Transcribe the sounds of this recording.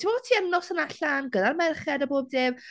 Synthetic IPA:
tʰɪmɔtʰiːɛmnɔsənaɬanɡədarmɛrχɛdəboːb̚dɪːm

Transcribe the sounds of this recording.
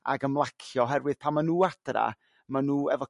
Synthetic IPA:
a̰ɡəmlˠakʰjɔɦɛrwɨð̥pʰamːanuːad̥ra̰ | manuːɛvɔ

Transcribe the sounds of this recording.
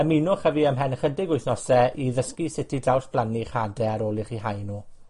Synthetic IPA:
əminʊχəviəmɦɛnχədɪɡʊjθnɔsɛʔiðəskisɪtʰidawspʰlˠaniχadɛɾolˠiχiɦajnuː

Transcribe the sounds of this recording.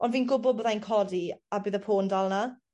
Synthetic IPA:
ɔnviːnɡʊbʊbðajnkʰɔdiabɨːðəpʰoːndalˠna

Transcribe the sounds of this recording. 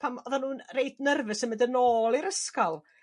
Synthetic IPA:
pʰamɔðanhuːnrejdnərvɨsəmɪdənoːlˠiɾəskɔlˠ

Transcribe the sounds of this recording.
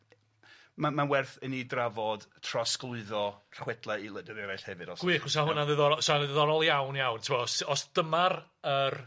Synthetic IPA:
mamanwɛrθənidravɔd̥tʰrɔsklˠʊɨðɔrχwɛdlˠɛilˠədɛðɛɾajɬhɛvɨdɔsɡ̥wiχʊsaɦʊnaðɪðɔɾɔsanðɪðɔɾɔlˠjawnjawntʰɪmɔsɔsd̥əmarər

